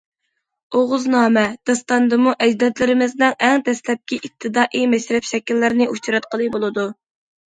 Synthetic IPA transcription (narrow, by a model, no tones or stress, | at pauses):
oʁʊznɑːmɛd̪̥ɑst̪ɑnd̪ɨmuʔɛd͡ʒd̪ɛt̪lɪɾɪmɪznɪŋɛŋd̪ɛslɛp̚kʲiʔip̚t̪ʰːɨd̪ɑːʔimɛʃɾɛpʃɛkʲilːɪɾnɪʔut͡ʃɾɑt̪qʰəlˠɨbolˠɨd̪u